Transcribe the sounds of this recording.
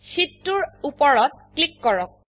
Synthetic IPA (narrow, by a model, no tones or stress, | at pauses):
sitːuɹupɔɹɔt̚klikːɔɹɔk̚